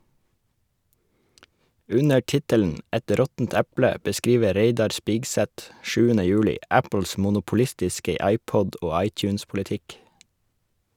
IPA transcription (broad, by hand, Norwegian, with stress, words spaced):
ˈʉnə ˈʈɪtəln̩ ˈɛt ˈɾɔtn̩t ˈɛplə bəˈskiːʋə ˈɾeɪdɑɾ ˈspiːɡsɛt ˈʃʉːənə ˈjʉːlɪ ˈæpəl̩s mʊnʊpʊˈlɪstɪskə ˈɑɪˌpɔd ˈoː ˈɑɪˌc͡çʉːnspʊləˌtɪk